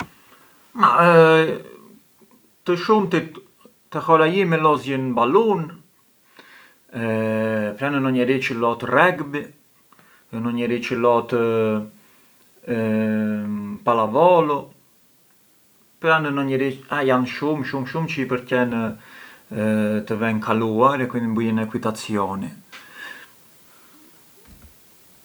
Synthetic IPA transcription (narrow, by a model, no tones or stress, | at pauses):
ma̰ə | t̪əʃumt̪i | t̪əhɔɾajimɛlɔzjənbalun | pɾanənɔɲɛɾit͡ʃəlɔt̪rɛɡbi | nɔɲɛɾit͡ʃəlɔt̪ | palavɔlɔ | pɾanənɔɲɛɾiajanʃumʃumʃumt͡ʃəipəɾcɛn | t̪əvɛnkʰaluaɾɛkwind̪imbujɛnɛkwit̪at͡sjɔni